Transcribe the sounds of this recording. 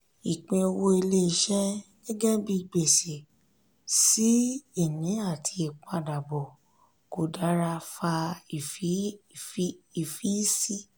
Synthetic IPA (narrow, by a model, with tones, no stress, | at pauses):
i˨k͡pĩ˧o˧wo˧i˧le˦˧ʃɛ˦ɡ̥ɛ˦ɡɛ˦bi˦˧˨ɡ͡be˨se˨ | si˦i˦˨nĩ˨˦a˦˨tʰi˧e˨k͡pɔ̃˨˦a˨da˨bɔ˨ | ko˨da˨˦ɾa˧fa˧i˨fi˦i˨fi˦si˦